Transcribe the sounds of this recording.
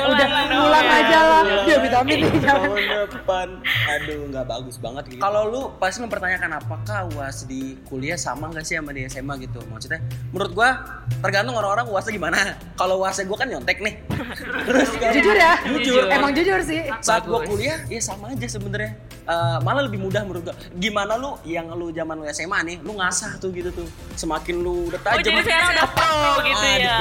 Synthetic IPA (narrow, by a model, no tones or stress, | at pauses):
udahpulaŋad͡ʒalalbiabit̪amɪnianəpanadoŋɡaʔbaɡʊsba̰ŋət̪̚ɡikalolʊpasiməmpərt̪aɲakanapakahwasdikuliahsa̰maŋɡaʔsɪamadiasemaɡit̪umat͡ʃit̪amunɾʊt̪̚ɡua | t̪ərɡant̪ʊŋoɾaŋoɾaŋwarsaɡimana | kalowasaɡuakanɲɔnt̪ɛk̚nɪht̪əɾʊskad͡ʒud͡ʒʊrjad͡ʒud͡ʒʊremaŋd͡ʒud͡ʒʊrs̬ɪhsaat̪̚ɡɡuakuliajasamaːd͡ʒasəbənarɲa | əmalaləbɪhmudahməuɾʊt̪̚ɡua | ɡimanalujaŋlud͡ʒamanlujasemanɪhluŋasaht̪ʊhɡit̪ut̪ʊ | səmakɪnludət̪ad͡ʒəmadapaaja